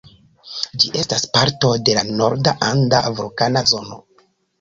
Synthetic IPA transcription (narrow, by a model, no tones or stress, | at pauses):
d͡ʒiʔe̞staspaɾto̞de̞lano̞̰ɾdaʔandaafɾikanazo̞no̞̰